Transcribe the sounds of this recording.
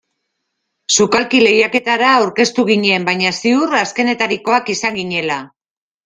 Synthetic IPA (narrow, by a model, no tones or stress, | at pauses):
sukalkile̞jake̞t̪aɾaːwɾke̞st̪uɣiɲie̞mbajɲasiuɾaske̞ne̞t̪aɾiko̞akisaŋɡiɲe̞la